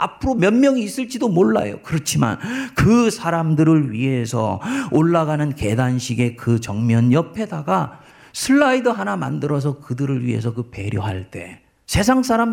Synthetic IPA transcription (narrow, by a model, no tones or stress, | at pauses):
a̰pʰɯɾomjʌnmjʌŋiːs͈ɯɭt͡ɕ͈idomoɭːa̰jo̰kɯɾʌt͡ɕʰima̰nkɯsʰaɾamdɯɾɯɭɥiɦe̞sʰʌ̰oɭːaɣanɯnke̞danɕʰiɡe̞kɯt͡ɕʌŋmjʌnjʌpʰe̞daɡa | sʰɯɭːaidɯɦanama̰ndɯɾʌs̬ʰʌkɯdɯɾɯɭɥḭɦe̞̰s̬ʰʌkɯpe̞ɾjoɦaɭt͈e̞̰ | sʰe̞sʰaŋs̬͈ʰaɾam